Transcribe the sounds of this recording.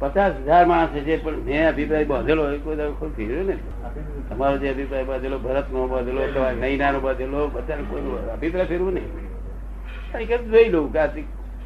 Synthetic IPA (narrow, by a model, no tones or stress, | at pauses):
pət͡ʃasɦəd͡ʒaɾmãəset͡ʃepəɳɦẽəbʱipɾaibãd̪ʱeloekojd̪akʰopʰeɾjone | t̪əmaɾod͡ʒeəbʱipɾaibãnd̪ʱelobʱəɾət̪nobãd̪ʱelot̪əʋanəinanobə̃d̪ʱelobəd̪ʱankoinoəbʱipɾaipʰeɾʋũnəi | əikəd͡ʒoiloukat̪ik